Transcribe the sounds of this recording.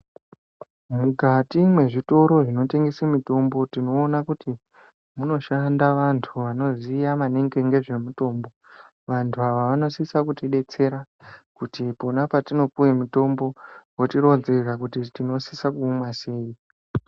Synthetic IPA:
muɡʱatimwe̞ʐito̞ɾo̞ʐino̞te̞ŋɡesimito̞mbo̞tino̞ːnakuti | muno̞ʃandaʋantʰuʋano̞zijamaneŋɡeŋɡe̞ʐe̞muto̞ːmbo̞ | ʋantʰuaʋaʋano̞sisakutiɗe̞t͡se̞ɾa | kutiponapatino̞puwe̞mito̞mbo̞wotiɾo̞d͡zerakutitino̞sisakuːmwase̞ːi

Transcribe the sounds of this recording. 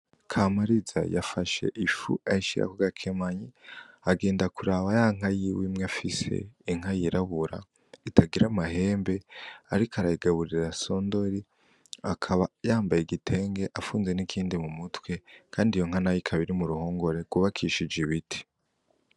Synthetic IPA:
kʰamaɾiza̰jafaʃe̞̰ʔifṵaiʃḭɾa̰kuɡakʰemaɲiaɡe̞ːndakuɾaβajaŋ̥ajiwimŋeafise̞̰iŋ̥ajiɾaβuɾa | itaɡiɾamaɦe̞ːmbe̞aɾikaɾaiɡaβuɾiɾaso̞ndo̞ɾi | akʰaβajaːmbajeɡitʰe̞ŋɡe̞ʔafuːnze̞nikʰiːndimumutwe̞kʰaːndijo̞ŋ̥anajikʰaβiɾimuɾuho̞ːŋɡo̞ɾe̞ɡɡuβakʰiʃid͡ʒiβitʰi̥

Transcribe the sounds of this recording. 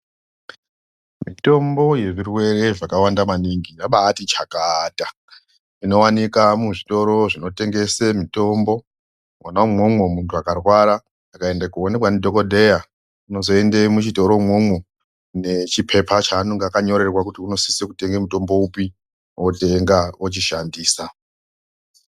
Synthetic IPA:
mito̞mbo̞je̞ʐirwe̞ɾe̞ʐakawandamaniŋɡiaɓaːtit͡ʃakata | ino̞wanikamuʐito̞ɾo̞ʐino̞te̞ŋɡesemito̞mbo̞ | wanamwomwemuntʰuakarwaɾaː | kaendekuone̞kwanidʱo̞kodʱe̞ja | uno̞zo̞endemut͡ʃito̞ɾo̞mwomwe | ne̞t͡ʃipʰe̞pʰat͡ʃaːnoŋɡakaɲo̞ɾe̞rwakutiuno̞sisekute̞ŋɡemuto̞mbo̞upi | woteŋɡawot͡ʃiʃandiːsa

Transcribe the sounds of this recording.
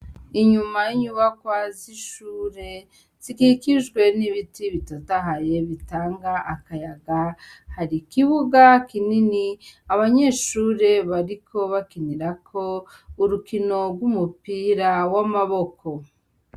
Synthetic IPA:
iɲumajiɲuβakwaziʃuːɾe̞ | z̥ikikiʒɡwe̞niβitiβitotaɦaje̞βitaːŋɡaʔːkajaɡahaɾikiβuɡakininiaβaɲe̞ːʃuːɾe̞βaɾikʰo̞βakiniɾakʰo̞ | uɾukino̞ɾɡwumupiɾawamaβo̞ko̞

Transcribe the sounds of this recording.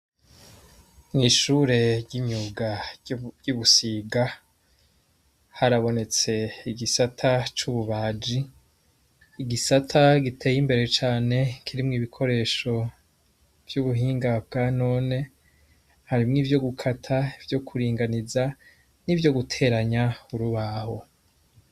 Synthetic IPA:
nŋiʃuːɾe̞ɾɟiɲuɡaɟuβusiɡa | haɾaβo̞ne̞t͡se̞iɡisatʰat͡ʃuːβuβaːd͡ʒi | ɡisatʰaɡitʰe̞ːjimbe̞ɾet͡ʃaːne̞kʰiɾimŋiːβikʰo̞ɾe̞ːʃo̞ | v̥juβuɦiːŋɡab̚ɡano̞ːne̞ | haɾimŋiːvjo̞ɡukʰatʰaivjo̞kʰuɾiːŋɡaniza | nivjo̞ɡutʰe̞ːɾaɲauɾuβaho̞

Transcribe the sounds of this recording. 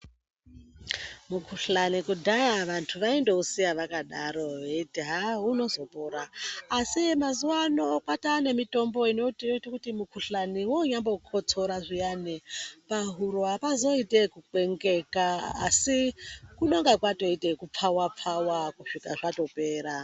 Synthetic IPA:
mukʰuɬanikudʱajaʋantʰuʋaindeusijaʋakaɗaɾo̞ʋeitiɦaɦuno̞zo̞pʼoɾaːsimazuwanokatane̞mito̞mbo̞inottakutimukʰuɬaniwoɲambokʰot͡soɾaʐijanepaɦuɾapazo̞itekuǃe̞ŋɡekaa̰sikuno̞ŋɡakwato̞itekup͡fʰawap͡fʰawakuʂikaʐato̞pe̞ːɾa

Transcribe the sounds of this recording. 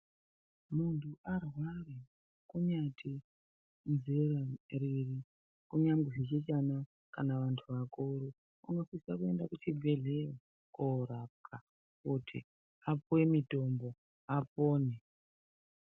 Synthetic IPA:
muntʰuʔarware | kuɲatʰi | nzirariri | kuɲaŋɡeʐet͡ʃet͡ʃana | kanaʋantʰuʋakuɾo | uŋɡasisakue̞ndakutibʱeɮere | koɾap̚kʰa | kutʰḭ | apuwemito̞mbo̞ | apoːne

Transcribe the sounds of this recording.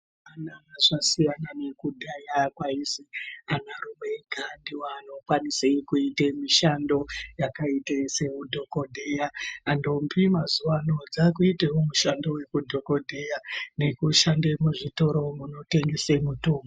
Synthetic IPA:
anaaʐasijanane̞kudʱajakwaizianarumeɡʱandiwano̞kwaniseikuitemiʃando̞jakaiteseudʱo̞ko̞dʱejaːndompimazuwano̞d͡zakuitewomuʃando̞we̞kudʱo̞ko̞dʱejane̞kuʃandemuʐito̞ɾo̞muno̞te̞ŋɡesemutoːmo

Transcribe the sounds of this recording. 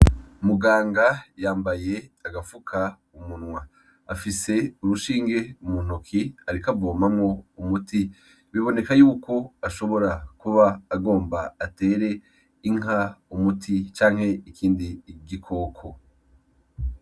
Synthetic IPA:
muɡaːŋɡajaːmbaje̞aɡafukʰa | umunŋwa | afise̞uɾuʃiːŋɡe̞umun̥okʰiaɾikavo̞ːmamŋo̞umuti | βiβo̞ne̞kajuːko̞aʃo̞βo̞ɾakuβaːɡo̞ːmbaːte̞ːɾe̞ | iŋ̥aumutʰit͡ʃaːŋ̥he̞ikiːndiɟikʰo̞ːkʰo

